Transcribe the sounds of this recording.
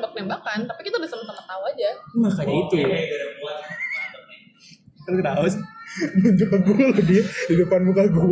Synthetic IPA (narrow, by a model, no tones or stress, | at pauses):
mbak̚nembakant̪apikit̪audahsəmət̪akət̪awad͡ʒamakanit̪uua | kankədaʊsməd͡ʒupaɡulladiahidupanbukaɡu